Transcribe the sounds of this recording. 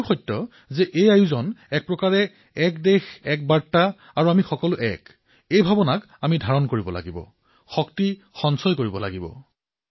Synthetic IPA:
xɔjtːɔ | zɛʔejajuzɔnɛk̚pɹɔkaɹɛ | ɛkdexɛk̚baɹtːa | aɹuamixɔkɔlʊʔɛk | ejbʱabɔnak | amidʱaɹɔnkoɹibɔla̰ɡibɔ̰ | xɔkti | xɔnsɔjkoɹibɔla̰ɡibɔ̰

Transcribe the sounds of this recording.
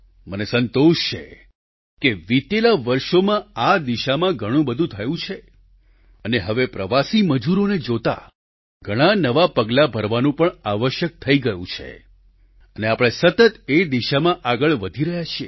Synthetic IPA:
mənesənt̪oʃt͡ʃʰḛ | keʋit̪elaʋəɾʃomãad̪iʃamãɡʱəɽ̃ũbəd̪ʱũt̪ʰəjũt͡ʃʰe | əneɦəʋepɾəʋasiməd͡ʒuɾoned͡ʒot̪a̰ | ɡʱəɽ̃anəʋapəɡlabʱəɾʋanũpəɳaʋəʃjək̚t̪ʰəiɡəjṵ̃t͡ʃʰḛ | əneapɽ̃esət̪ət̪ed̪iʃamãʔaɡəɭʋəd̪ʱiɾəɦjat͡ʃʰie

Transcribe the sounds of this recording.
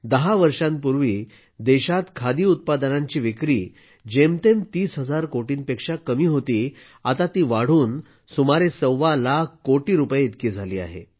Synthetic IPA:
d̪əɦaʋəɾʂãmpuɾʋiː | d̪eɕat̪kʰad̪iːut̪̚pad̪ənãɲt͡ɕiːʋekɾiː | d͡ʑemt̪emt̪iːsɦəd͡zaɾkoʈiːnpekʂakəmiːɦot̪iː | at̪at̪iːʋaɽ̤uːn | sumaɾesəwːalakʰkːoʈiːɾupjet̪kiːd͡zʱaliːa̰ɦḛ

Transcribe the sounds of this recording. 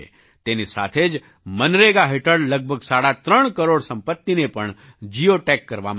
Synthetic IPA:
t̪enisa̰t̪ʰed͡ʒ | mənɾeɡaɦɪʈəɾɖləɡ̚bʱəɡsaːɽat̪ɾəɳ̃kəɾoɽsə̃mpət̪ːinepəɳ | d͡ʒijoʈekːəɾʋa̰m

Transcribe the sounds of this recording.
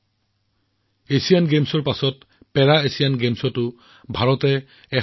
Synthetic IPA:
esijanɡemsɔɹpasɔt | pɛɹaesijanɡemsɔtʊ | bʱaɹɔtɛ | ɛ

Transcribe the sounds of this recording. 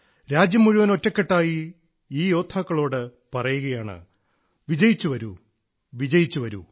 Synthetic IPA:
ɾaːd͡ʑjɐmːuɻuʋɐno̞tːɐkːeʈːaːji | iːjo̞ːt̪ʰaːkːɐɭo̞ːɽɨ | pɐrɐjuɣɐjaːɳɨ̰ | ʋid͡ʑɐjit͡ɕːuʋɐɾṵ | ʋid͡ʑɐjit͡ɕːuʋɐɾṵ

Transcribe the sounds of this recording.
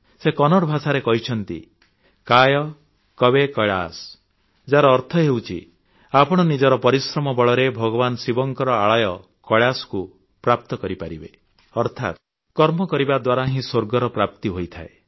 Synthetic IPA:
sekɔnɔɽbʱasaɾekɔɦit͡ʃʰɔnt̪ḭ | kajɔ | kɔbekɔɭa̰s | d͡ʒaɾɔːɾt̪ʰɔɦewt͡ʃʰḭ | apɔɽ̃ɔnid͡ʒɔɾɔpɔɾisɾɔmɔbɔɭɔɾebʱɔɡɔbanɔsibɔŋkɔɾɔaɭɔjɔ | kɔɭasɔ̥ku | pɾap̚t̪ɔkɔɾipaɾibe | ɔɾt̪ʰa̰t̪ | kɔɾmɔkɔɾibad̪waɾaɦĩsoɾɡɔɾɔpɾap̚t̪iɦojt̪ʰa̰ḛ

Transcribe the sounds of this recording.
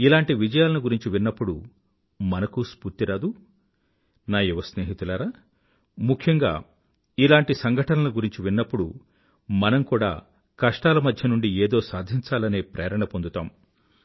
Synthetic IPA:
ilaːɳʈiʋid͡ʒɐjaːlɐnuɡuɾiɲt͡ʃiʋinːɐpːuɽṵ | mɐnɐkuspuɾt̪iɾaːd̪u | naːjuʋɐsneːɦit̪ulaːɾaː | mukʰjɐŋɡa̰ː | ilaːɳʈisɐŋɡʱɐʈɐnɐluɡuɾiɲt͡ʃiʋinːɐpːuɽu | mɐnɐmkuːɽa̰ː | kɐʂʈaːlɐmɐd̪ʱjɐnuɳɖieːd̪o̞ːsaːd̪ʱiɲt͡ʃaːlɐne̞ːpɾɛːɐɾɐɳɐpond̪ut̪aːm

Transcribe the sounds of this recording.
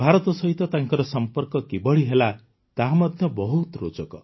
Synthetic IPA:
bʱaɾɔt̪ɔsɔɦit̪ɔt̪ãŋkɔɾɔsɔmpɔɾkɔkibɔɽiɦela | t̪aɦamɔd̪ʱjɔbɔɦut̪ɾo̰d͡ʒɔkɔ

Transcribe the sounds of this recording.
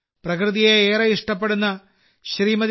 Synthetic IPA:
prɐkrɨðijeeːɾɐiʂʈɐpːe̞ɽunːɐ | ɕriːmɐð

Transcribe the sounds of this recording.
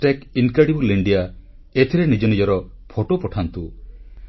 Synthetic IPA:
ʈekiŋkɾeɽibuliɳɖija | et̪ʰiɾenid͡ʒɔnid͡ʒɔɾɔ | pʰoʈopɔʈʰant̪u

